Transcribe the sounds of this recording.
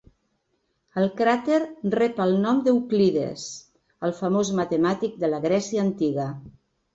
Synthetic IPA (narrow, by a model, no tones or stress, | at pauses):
əlˠkɾat̪eɾrɛpəlˠnɔmd̪əukliðḛs | əlˠfəmozmət̪əmat̪ik̚d̪ələɣɾɛsiəːnt̪iɣə